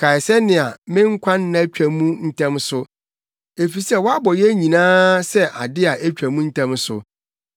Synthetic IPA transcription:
kʰa˨jsɛ˦nɪ̃˨a˨mɪ̃˦ŋ̩˦kʷʰã˦nːã˦t͡ɕᶣæ˨mũ˦n̩˦tʰɛ̃˦msʊ˦ | e˨fi˨sɛ˦˨wɔ˦a˦bɔ˨jɛ˦ɲĩ˨nãː˦sɛ˦ʔa˨dɪ˦a˨ʔæ˦t͡ɕᶣæ˨mũ˦n̩˦tʰɛ̃˦msʊ̰˨

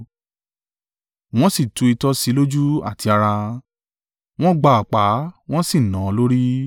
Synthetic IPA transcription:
w̃ɔ̃˦si˦˨tũ˨˧i˧tɔ˧˦si˨˧˦lo˦d͡ʒu˦a̰˦˨ti˧a˧ɾa˧ | w̃ɔ̃˦ɡ͡ba˧˨a˨k͡pa˨˦w̃ɔ̃˦si˦˨nã˨˦lo˦ɾi˦

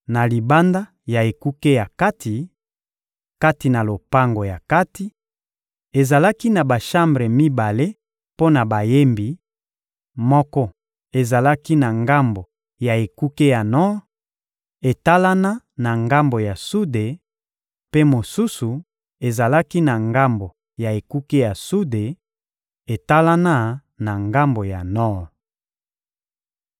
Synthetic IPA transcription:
na˨li˨ba˦nda˦ | ja˨e˨ku˦ke˦ja˨ka˦tʰi˨ | ka˦ti˨na˨lo˨pa˦ŋɡo˨ja˨ka˦ti˦ | e˨za˨la˦ki˦na˨ba˨ʃa˦mbʁe˨mi˦ba˨le˦ | po˦na˨ba˨je˦mbi˨ | mɔ˦kɔ˦ | e˨za˨la˦ki˦na˨ŋɡa˦mbo˨ | ja˨e˨ku˦ke˦ja˨nɔ˦ʁ | e˨ta˦la˦na˦ | na˨ŋɡa˦mbo˨ja˨su˦de˨ | pe˦mo˨su˦su˨ | e˨za˨la˦ki˦na˨ŋɡa˦mbo˨ | ja˨e˨ku˦ke˦ja˨su˦de˨ | e˨ta˦la˦na˦ | na˨ŋɡa˦mbo˨ja˨nɔ˦˨ʁ

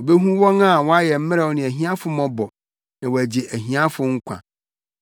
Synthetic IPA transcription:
o˨be˦ɦũ˦wɔ̃˦na˦˨wɔ̃˦a˦jɛ˨m̩˦mɪ̃˦ɾɛ˨wɔ˦nɪ̃˨æ˨ɦĩ˦ã˦fʊ˨mɔ̃˦bɔ˨ | nã˨wɔ˨æ˨d͡ʑi˨ʔæ˨ɦĩ˨˦ã˦fʊ˨ŋ̩˦kʷʰã̰˨

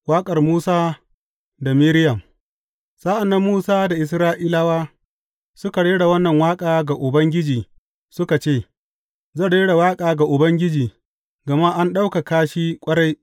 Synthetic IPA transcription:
waː˦kʼɐ˨rmuː˦saː˦ | da˨mi˦ɾɪ˦jɐ˨m | sa˦ʔa˨nːa˦mːuː˦saː˦da˨ʔɪ˨s̬ɾaː˦ʔɪ˦la˦waː˦ | sʊ˦ka˨ɽeː˦ɽa˨wɐ˦nːɐ˨ŋwaː˦kʼaː˨ɡa˨ʔʊ˨bɐ˦ŋɡʲɪ˦d͡ʒiː˨ | sʊ˦ka˨t͡ʃeː˦˨ | zɐ˦˨ɽeː˦ɽa˨waː˦kʼaː˨ɡa˨ʔʊ˨bɐ˦ŋɡʲɪ˦d͡ʒiː˨ | ɡɐ˨ma˦ʔa˦nɗa˦wka˨kaː˦ʃi˦kʷʼɐ˦ɽa˦j

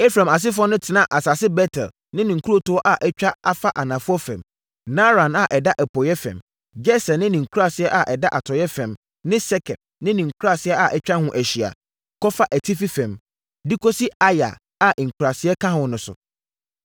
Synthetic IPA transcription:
e˦fɾã˨ma˨s̬ɪ˦fɔ˦nʊ̃˦tʰɪ˨nã˦ʔa˨sa˨sɪ˦bɛ˦tʰɛ˨l | nɪ̃˦nɪ̃˨ŋ̩˨kʰu˦ɾo˦tʊ˦ɔ˦ʔa˨ʔɛ˦t͡ɕᶣa˦a˦fa˦ʔa˨nã˨fʊ˦ɔ˦fɛ̰̃˨m | nã˦ɾã˨na˨ʔɛ˨da˦ʔɛ˨pʰɔ˨jɛ˦fɛ̰̃˨m | d͡ʒɛ˦sɛ˨nɪ̃˦nɪ̃˨ŋ̩˨kʰu˦ɾa˦˨sɪ˦ɛ˦ʔa˨ʔɛ˨da˦ʔa˨tʰɔ˨jɛ˦fɛ̃˨m | nɪ̃˦sɛ˦kʰɛ˨d̚nɪ̃˦nĩ˨ŋ̩˨kʰu˦ɾa˦˨sɪ˦ɛ˦ʔa˨ʔɛ˦t͡ɕᶣa˦hʊ̃˦ʔæ˨ɕi˨a̰˨ | kɔ˦fa˦ʔæ˨tʰi˦fi˦fɛ̃˨m | di˦kʰɔ˦si˦a˦ja̰˨ | a˨ʔi˨ŋ̩˨kʰu˨ɾa˨sɪ˦ɛ˦kʰã˦hʊ̃˨nʊ̃˨sʊ̰˨

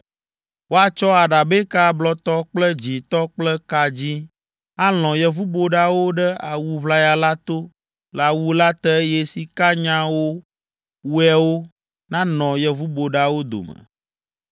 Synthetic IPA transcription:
wo˦a˨t͡ʃɔ˦a˨ɖa˨be˦ka˦blɔ˦t̪ɔ˦k͡plɛ˦d͡ʑi˨t̪ɔ˦k͡plɛ˦ka˨d͡ʑi˦ | a˦l̃ɔ̃˨jɛ˨vu˦bo˦ɖa˦wo˦ɖɛ˦a˨wu˦βla˦ja˨la˦t̪o˦ | la˨wu˦la˦t̪ɛ˦jɛ˦si˨ka˦ɲã˦wo˦ | wu˦ɛ˦wo˦ | nã˦nɔ̃˨jɛ˨vu˦bo˨ɖa˦wo˦d̪o̰˨mɛ̰̃˨

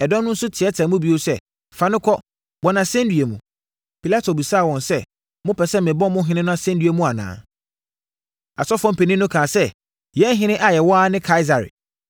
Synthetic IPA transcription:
ɛ˨dɔ̃˦n˦ʊ̃˦n̩˦sʊ˦tʰɪ˨ɛ˦tʰã˨mũ˦bi˦o˦sɛ˦˨ | fa˨nʊ̃˦kʰɔ˦ | bɔ˨nã˨sɛ̃˦n˦dɥe˨mũ˨ | pʰi˨la˦tʰo˨bi˨saː˦˨wɔ̃˨nsɛ˦ | mʊ̃˦pʰɛ˨sɛ˦mɪ̃˨bɔ̃˦mʊ̃˦ɦɪ̃˦nɪ̃˦nʊ̃˦a˦sɛ̃˦ndɥe˨mũ˦a˨nã̰ː˨ | a̰˨sɔ˦fɔ̃˦m˦pʰe˨nĩ˦nʊ̃˦kʰãː˨sɛ˦ | jɛ˦n˦ɦɪ̃˦nɪ̃˦ʔa˨jɛ˨wɔ˦a˦nɪ̃˦kʰa˦ɪ˦za˨ɾɪ̰˨

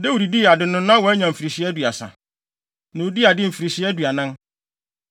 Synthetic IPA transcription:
dɛ˦wu˨ɾi˨di˦˨a˨dɪ˨nʊ̃˦nã˦wɔ˨˦ɛ˦ɲã˨m̩˨fi˨ɾi˨ɕi˦ɛ˦du˨a˨sã̰˨ | nã˨u˦di˦a˨dɪ˦m̩˨fi˨ɾi˨ɕi˦ɛ˦du˨a˨nã˦n

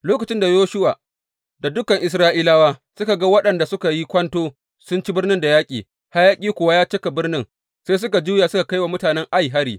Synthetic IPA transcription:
loː˦kɐ˨t͡ʃɪ˦nda˨joː˦ʃʊ˦waː˨ | da˨dʊ˦kɐ˨ŋʔɪ˨s̬ɾaː˦ʔiː˦laː˦waː˦sʊ˦ka˨ɡa˦wɐ˦ɗɐ˨nda˨sʊ˦ka˨ji˦kʷɐ˦ntoː˦ | sʊ˦nt͡ʃi˦bɪ˦rnɪ˦nda˨jaː˦kʲʼiː˨ | ha˦jaː˦kʲʼiː˦kʷʊ˦wa˦jaː˦t͡ʃɪ˦ka˨bɪ˦rnɪ˦ŋ | se˦s̬ʊ˦ka˨d͡ʒuː˦ja˨sʊ˦ka˨ka˦jwa˨mʊ˦taː˨nɛ˦ŋʔa˦jɦa˦ɾiː˨

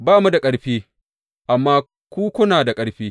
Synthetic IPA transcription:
baː˦˨mu˦da˨kʼɐ˦ɽɸiː˦ | ʔa˨mːaː˦ | kʷuː˦kʷʊ˦naː˨da˨kʼɐ˦ɽɸiː˦

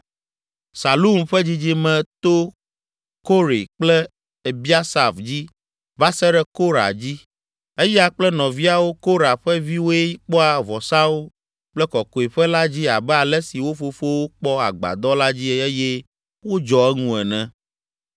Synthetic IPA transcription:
sa˨lu˦mɸɛ˦d͡ʑi˦d͡ʑi˦mɛ̃˨t̪o˦ | ko˦ɾe˨k͡plɛ˦ | e˨bi˦a˦sa˨vd͡ʑi˦ | va˦sɛ˦ɖɛ˦ko˦ɾa̰˨d͡ʑi˦ | e˦jɛ˦a˦k͡plɛ˦nɔ̃˨vi˦a˦wo˦ko˦ɾa˨ɸɛ˦vi˦wo˦e˦i˦k͡pɔ˦a˨vɔ˨sa˦wo˦ | k͡plɛ˦kɔ˨ko˨e˨ɸɛ˦la˦d͡ʑi˦a˨bɛ˦a˨lɛ˦si˨wo˦fo˦fo˦wo˦k͡pɔ˦a̰˨ɡ͡ba̰˨d̪ɔ˦la˦d͡ʑi˦e˦jɛ˦ | wo˦d͡ʒɔ˨ɛ˦ŋũ˦ɛ˨nɛ̃˨

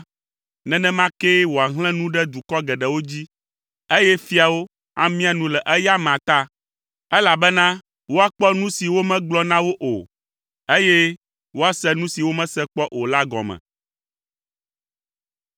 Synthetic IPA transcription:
nɛ̃˦nɛ̃˦mã˦kɛ˦wo˨a˨ɦl̃ɛ̃˦nũ˦ɖɛ˦d̪u˨kɔ˦ɡɛ˨ɖɛ˨wo˦d͡ʑi˦ | e˦jɛ˦fi˦a˨wo˦ | a̰˦mĩ˦a˨nũ˦lɛ˨ʔɛ˦ja˦mã˨t̪a˦ | ɛ˦la˨bɛ˦nã˦ | wo˦a˦˨k͡pɔ˦nũ˦si˨wo˦mɛ̃˦ɡ͡blɔ˦nã˦wo˦ʔo̰˨ | e˦jɛ˦ | wo˦a˦sɛ˦nũ˦si˨wo˦mɛ̃˦sɛ˦k͡pɔ˦ʔo˨la˦ɡɔ̰˨mɛ̰̃˨

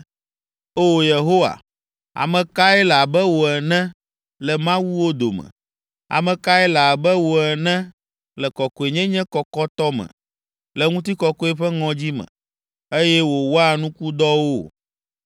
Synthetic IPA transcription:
o˦˨je˨ɦo˦wa̰˨ | a̰˨mɛ̃˨ka˦ɛ˦la˨bɛ˦wo˨ɛ˨nɛ̃˦ | lɛ˨mã˦wu˦wo˦d̪o̰˨mɛ̰̃˨ | a̰˨mɛ̃˨ka˦ɛ˦la˨bɛ˦wo˨ɛ˨nɛ̃˦ | lɛ˨kɔ˨kɔ˨e˨ɲɛ̃˦ɲɛ̃˦kɔ˨kɔ˦t̪ɔ˦mɛ̰̃˨ | lɛ˨ŋũ˦t̪i˦kɔ˦kɔ˦ɛ˦ɸɛ˦ŋɔ̃˨d͡ʑi˦mɛ̰̃˨ | e˦jɛ˦wo˨wo˦a˨nũ˦ku˦d̪ɔ˦wo˦

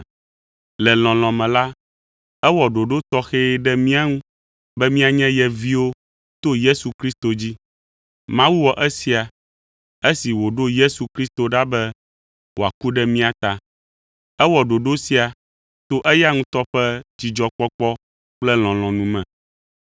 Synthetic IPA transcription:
lɛ˨l̃ɔ̃˨l̃ɔ̃˨mɛ̃˨la˦ | ɛ˦wɔ˨ɖo˨ɖo˦t̪ɔ˦xe˦ɖɛ˦mĩ˦a˦ŋũ˦ | bɛ˦mĩ˦a˨ɲɛ̃˦jɛ˨vi˦wo˦ | t̪o˦je˦su˨kɾi˦st̪o˨d͡ʑi˦ | mã˦wu˦wɔ˨ʔɛ˦si˨a˨ | e˦si˨wo˨ɖo˦je˦su˨kɾi˦st̪o˨ɖa˦bɛ˦ | wo˨a˨ku˦ɖɛ˦mĩ˦a˨t̪a˨ | ɛ˦wɔ˨ɖo˨ɖo˦si˦a˨ | t̪o˦ʔɛ˦ja˦ŋũ˦t̪ɔ˦ɸɛ˦d͡ʑi˨d͡ʒɔ˦k͡pɔ˦k͡pɔ˦ | k͡plɛ˦l̃ɔ̃˨l̃ɔ̃˨nũ˦mɛ̃˨

